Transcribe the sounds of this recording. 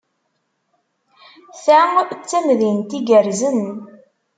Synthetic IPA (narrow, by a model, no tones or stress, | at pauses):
θat͡sːæmðint̪iɡəɾzən